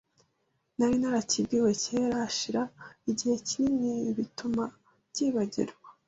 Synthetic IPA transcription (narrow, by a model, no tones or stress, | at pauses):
naɾinaɾacibɡiwe̞ceɾaʃiɾaiɟihe̞cininiβituma | ɟiβaɟḭɾɡwa